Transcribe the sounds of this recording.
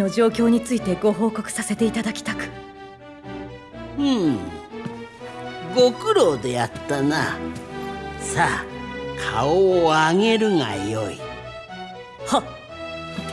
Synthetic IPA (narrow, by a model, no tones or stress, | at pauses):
no̞ʑo̞ːkʲo̞ːɲ̟it͡sɨit̪e̞ɡo̞ɦo̞ːko̞kɯ̥sase̞t̪e̞it̪ad̪akʲi̥t̪akɯ̟̥ | ɯ̟̃ː | ɡo̞kɯ̟ɾo̞ːd̪e̞jat̪ːana | sakʰaoːaŋe̞ɾɯ̟ŋa̰joi | ho